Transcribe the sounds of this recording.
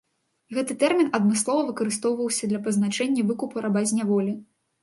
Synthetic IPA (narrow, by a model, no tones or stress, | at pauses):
ɣɛt̪ɨt̪ɛrmʲinɐd̪mɨslˠɔvɐvɨkɐɾɨst̪ɔwvɐwsʲɐd̪lʲɐpɐznat͡ʂɛnʲːɐvɨkupuɾabazʲnʲavɔlʲi